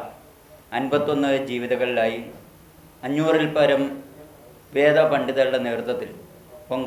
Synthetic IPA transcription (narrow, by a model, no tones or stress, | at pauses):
ɐnbɐt̪ːo̞nːɨd͡ʑiːʋiðɐɣɐɭilaːji | ɐɲːuːrilpɐɾɐm | ʋe̞ːd̪ɐpɐɳɖiðɐluɽɐneːrut̪ːɐt̪ːil | poŋɡ